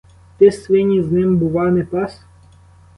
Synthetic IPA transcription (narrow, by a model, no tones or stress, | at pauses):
t̪ɪsʋɪnʲiznɪmbʊʋɑnɪpɑs